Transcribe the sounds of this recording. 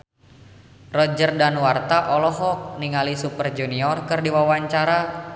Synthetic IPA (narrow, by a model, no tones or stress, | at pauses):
rɔd͡ʒərdanwart̪aʔɔlɔɦɔk̚niŋalisupərd͡ʒuniɔrkərdiwawaɲt͡ʃaɾa